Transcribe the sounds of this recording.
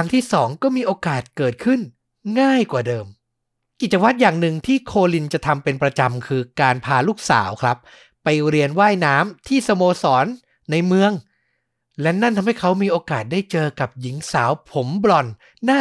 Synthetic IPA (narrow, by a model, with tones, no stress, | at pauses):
ŋt̪ʰiː˥˩sɔː˩˦ŋkɔː˥˩miː˧ʔoː˧kaː˨˩t̪̚kɤː˨˩t̪̚kʰɯ˥˩n | ŋaː˥˩jkwaː˨˩dɤː˧m | ki˨˩t͡ɕa˧wa˦˥t̪̚jaː˨˩ŋnɯ˨˩ŋt̪ʰiː˥˩kʰoː˧li˧nt͡ɕa˨˩ʔt̪ʰa˧mpe˧npɾa˧t͡ɕa˧mkʰɯː˧kaː˧npʰaː˧luː˥˩k̚sa̰ː˩˦wkʰɾa˦˥p̚ː | a˧jɾi˧ənwaː˥˩jnaː˦˥mt̪ʰiː˥˩sa˧moː˧sɔː˩˦nː | a˧jmɯ˧əŋ | lɛ˦˥na˥˩nt̪ʰa˧mha˥˩jkʰa˦˥wmiː˧ʔoː˧kaː˨˩t̪̚daː˥˩jt͡ɕɤː˧ka˨˩p̚ji˩˦ŋsaː˩˦wpʰo˩˦mblɔ˨˩nː | aː˥˩